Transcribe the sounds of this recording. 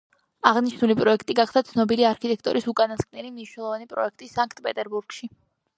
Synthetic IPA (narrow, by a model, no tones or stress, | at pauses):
aʁniʃnulipʼɾɔɛkʰt̪ʼiɡaχd̪at̪sʰnɔbiliaɾkʰit̪ʼɛkʰt̪ʼɔ̰ɾʔisukʼanaskʼnɛlimniʃnɛlˠɔvanipʼɾɔ̰ɛk̚ʰt̪ʼisaŋkʰt̪ʼpʼɛt̪ʼɛɾbuɾɡ̥ʃi